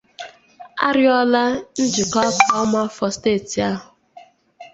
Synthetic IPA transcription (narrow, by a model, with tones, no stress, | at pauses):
a̰˦ɾɪ˦ɔ˦la˦n̩˦d͡ʒɪ˨kɔ˦pa˨˦ma˦fɔ˦steː˦˨ti˨a˦ɦʊ˨